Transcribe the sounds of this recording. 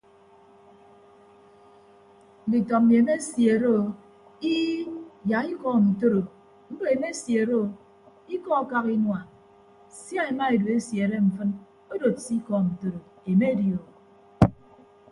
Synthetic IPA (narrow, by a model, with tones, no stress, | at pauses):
n̩˨di˨tɔ˨mi˨e˨me˦sje˨ɾo˦o˨ | i˦ja˨i˦kɔ˦˨n̩˨to˦ɾo˨ | n̩˦do˨e˨me˦sje˨ɾo˦o˨ | i˦kɔ˦ka˦ki˦nwa˨ | sja˦e˨ma˦e˨du˨e˦sje˨ɾe˦ɱ̩˨fɨ˦n | o˦do˨tsi˦kɔ˦˨n̩˨to˦ɾo˨ | e˨me˦djo˨